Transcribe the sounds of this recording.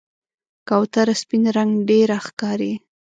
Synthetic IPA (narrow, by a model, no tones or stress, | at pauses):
kawt̪aɾaspinɾaŋɡɖeɾaxkɑɾi